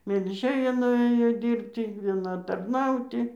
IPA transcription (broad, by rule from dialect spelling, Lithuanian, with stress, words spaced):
mʲɛlʲˈʒʲeːjɛ nʊˈeːjoː ˈdʲiːrʲpʲtʲiː ʋʲiɛˈnɐ tɐrˈnɐʊtʲɪ